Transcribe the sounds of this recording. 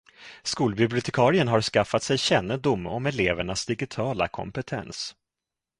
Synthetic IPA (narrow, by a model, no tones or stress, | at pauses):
skuːlbɪblɪʊt̪ʰɛkʰɑːɾɪənɦaɾskafːat̪sɛjɕɛnːəd̪ʊmːɔmɛleːvəɳasd̪ɪɡɪt̪ʰɑːla̰kʰɔ̰mpɛt̪ʰɛ̰ns